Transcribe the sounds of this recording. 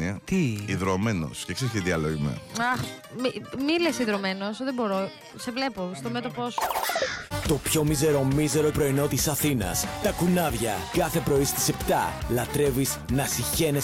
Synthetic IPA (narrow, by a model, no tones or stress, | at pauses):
iɐt̪iiðɾomeno̞̰scekseɾçt̪iðiɐloʝimḛɐx | mimilesiðɾo̞me̞nosðebo̞ɾo | sevle̞post̪omet̪opos | t̪o̞pço̞mize̞ɾo̞mize̞ɾoipɾo̞ino̞t̪isɐθinɐ̰st̪ɐkunɐvʝɐkɐθe̞pɾo̞ist̪i̥se̞pt̪ɐ̰lɐt̪ɾe̞viznɐsiçe̞ne